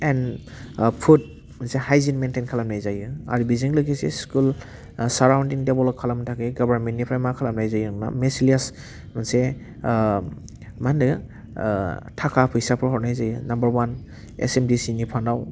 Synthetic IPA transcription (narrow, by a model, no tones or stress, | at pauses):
ɛn | pʰud̚ | mansehajzinmentenkʰalamnajzajɯa̰ɾibiziŋlɯkisḛskul | saɾawndiŋdebɔlɔkʰːalamtʰakeɡɔbaɾmentːnːipʰɾajmakʰalamnajzajɯŋna̰mesilias | manse | mandɯ | tʰakʰapʰɯjsapʰɯɦɔwnajzajɯnambəɾwan | ḛsemdisinipʰandaw